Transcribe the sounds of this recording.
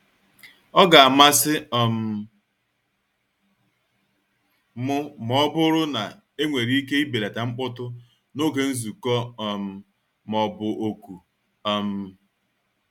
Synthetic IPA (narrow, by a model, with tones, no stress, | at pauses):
ɔ˦ɡa˨a˨ma˦sɪ˦ɔ˨m̩˦ | mʊ˦mɔ˦bʊ˦ɾʊ˦na˨ | e˦ŋʷe˨ɾi˦i˦ke˦i˦be˨ɾa˨ta˨ŋ͡m̩˦k͡pʊ˦tʊ˦ | no˦ɡe˨n̩˦zu˨kɔ˦ɔ˨m̩˨ | mɔ˨bʊ˨ʔo˦˨ku˨ | ɔ˦m̩˦